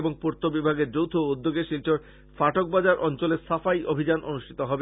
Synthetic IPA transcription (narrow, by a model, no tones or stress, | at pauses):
boŋpuɾt̪obibʱaɡeɾd͡ʑowt̪ʰoud̪ːoɡeʃilʈoɾ | faʈok̚bad͡ʑaɾʔɔnt͡ɕoleɾsafajʔobʱid͡ʑanʔonuʃʈʰit̪oɦɔbe